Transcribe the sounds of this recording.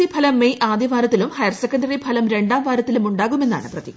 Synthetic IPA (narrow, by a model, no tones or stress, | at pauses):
ipʰɐlɐmːeʔaːd̪jɐʋaːɾɐt̪ːilumhɐjɐrsekːɐɳɖɐripʰɐlɐmɾe̞ɳɖaːmʋʱaːɾɐt̪ːilumuɳɖaːɣume̞nːa̰ːɳɨprɐt̪i